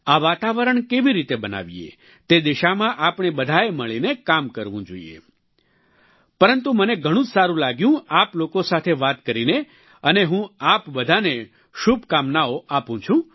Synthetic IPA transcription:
aʋat̪aʋəɾəɳkeʋiɾit̪ebəna̰ʋiḛ | t̪ed̪iʃamãʔapɳ̃ebəd̪ʱaeməɭinekamkəɾʋũd͡ʒo̰ḭḛ | pəɾənt̪uməneɡʱəɽ̃ũd͡ʒsaɾũlaɡjũaplokosat̪ʰeʋat̪kəɾine | əneɦũapbəd̪ʱane | ʃubʱkamnaoʔapũt͡ʃʰũ

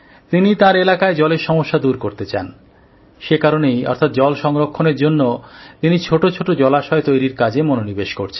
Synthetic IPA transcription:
t̪init̪aɾelakaed͡ʑɔleɾʃɔmoʃːad̪uɾkoɾt̪et͡ɕa̰n | ʃekaɾonejɔ̰ɾt̪ʰat̪̚d͡ʑɔlʃɔŋɾokʰːoneɾd͡ʑonːot̪init͡ɕʰoʈot͡ɕʰoʈod͡ʑɔlaʃɔet̪ojɾiɾkad͡ʑemononibeʃkoɾt͡ɕʰen

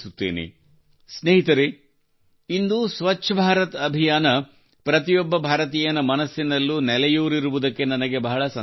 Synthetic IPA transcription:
sut̪ːḛːnḛ | sneɦit̪ɐɾe | ind̪usʋɐtːʃʰɐbʱaːɾɐt̪ɐbʱijaːnɐ | pɾɐt̪ijɔbːɐbʱaːɾɐt̪iːjɐnɐmɐnɐsːinɐlːunɛlɛjuːɾiɾuʋud̪ɐkːe̞nɐnɐɡe̞bɐɦɐɭɐsɐ

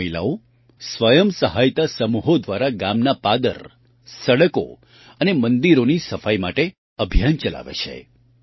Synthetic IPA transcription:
əjla̰o | sʋəjəmsəɦajt̪asəmuɦod̪ʋaɾaɡamnapad̪ə̰ɾ | səɽəko̰ | ənemənd̪iɾonisəfajmaʈe | əbʱijant͡ʃəla̰ʋḛt͡ʃʰḛ

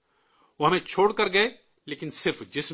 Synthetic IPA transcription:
oɦɐmẽt͡ʃʰoːɽkɐɾɡɐe | leːkɪnsɪɾfd͡ʒɪs

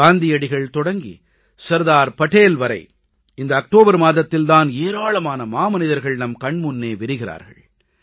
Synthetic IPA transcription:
aːnd̪ɪjɐɽɪɣɐɭt̪ɔɽɐŋɡḭ | sɐɾðaːɾpɐʈeːlʋɐɾɐ̰ɪ | ɪnd̪ɐːk̚ʈoːbɐɾmaːðɐt̪ːɪlt̪aːneːɾaːɭɐmaːnɐmaːmɐnɪðɐɾɣɐɭnɐmkɐɳmʊnːeːʋɪɾɯɣɪra̰ːɾɣɐ̰ɭ

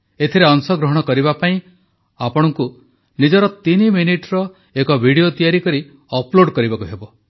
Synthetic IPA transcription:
et̪ʰiɾeɔŋsɔɡɾɔɦɔɽ̃ɔkɔɾiβapaĩ | apɔɽ̃ɔŋku | nid͡ʒɔɾɔt̪iniminiʈɾɔ | ekɔbʱiɽiot̪ijaɾikɔɾi | ɔploɽkɔɾibakuɦebɔ

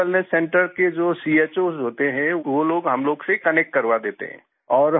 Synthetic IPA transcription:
əlnəsːɛ̃ːɳʈəɾked͡ʒoːsieːt͡ʃoːzɦoːt̪eɦɛ̃ʋoloːɡɦɐmloːɡsekɐnek̚ʈ̚kɐɾʋad̪eːt̪ḛɦɛ̰̃ː | ɔːɾ

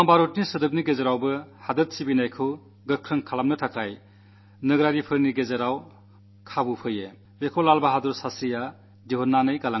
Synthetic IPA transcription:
aŋbaɾut̚nisɯdɯp̚niɡezaɾawbɯhadɯt̚sibinajkʰɯw | ɡɯkʰɾɯŋkʰalam̚nɯtʰakʰaj | nɯɡɾaɾipʰɯɾniɡezaɾaw | kʰabupʰɯje | bekʰolalbaɦadɔɾsasija | diɦɔnːanɯjɡala

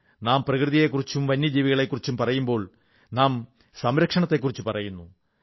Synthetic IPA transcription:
naːmprɐkrɨðije̞kːurit͡ɕːumʋɐnjɐd͡ʑiːʋiɣɐɭe̞kːurit͡ɕːumpɐrɐjumbo̞ːɭ | naːm | sɐmɾɐkʂɐɳɐt̪ːe̞kːurit͡ɕːupɐrɐjunːu

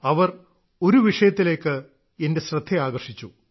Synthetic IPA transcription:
ɐʋɐr | o̞ɾuʋiʂɐjɐt̪ːile̞ːkːɨ | ende̞ɕrɐd̪ʱːeaːɡɐrʂit͡ɕːu

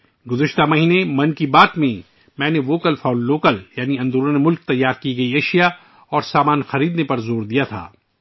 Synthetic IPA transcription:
ɡʊzəʃt̪amɐɦiːnemɐ̃nkibaːt̪mẽ | mɛ̃ːneʋoːkəlfaːnɖloːkəljaːniɐ̃nd̪əɾõnemʊlk̚t̪ɐjːaːɾkiɡɐiɐʃija | ɔːɾsaːmaːnxɐɾiːd̪nepɐɾzoːɾd̪ijat̪ʰa̰ː

